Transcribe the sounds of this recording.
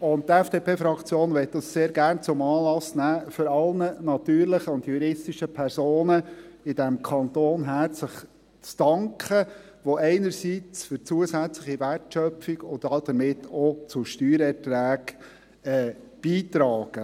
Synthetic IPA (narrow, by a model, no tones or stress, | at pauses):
ʊnt̚tɛfd̥eːpʰeːfɾɑkt͡sjoːnʋɛt̪̚dɑsseːɾɡærnt͡sʊmɑːlɑsnæːføɾɑlnənɑt̪yːɾləχəʊndjuɾɪstiʃəpʰɛɾsoːnəɪd̥ɛmkʰɑnt̪oːnɦæɾt͡sləχ | t͡sd̥ɑŋkʰə | ʋoʔɛɪnəɾsiːt͡sfʏɾt͡suəsæt͡sləχiværtʃœpfiɡʊntɑd̪̥əmɪtʰɔt͡sʊʃtyːɾɛrtɾæːɡ | ɛː | b̥iːtɾɑːɡ̥ə